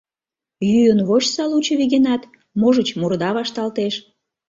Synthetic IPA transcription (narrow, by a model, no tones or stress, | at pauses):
jyjənβot͡ɕsɑlut͡ɕəβiɣenɑt̪ | moʒət͡ɕmurd̪ɑβɑʃt̪ɑlt̪eʃ